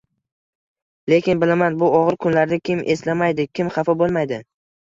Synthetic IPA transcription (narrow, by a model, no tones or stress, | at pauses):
le̞kʲɪnbɪlamanbʊɒʁɨɾkʰʊnlaɾd̪akʲʰɪmʔe̞slamajd̪ɪkʲɪmχɑfɒbolˠmajd̪ɪ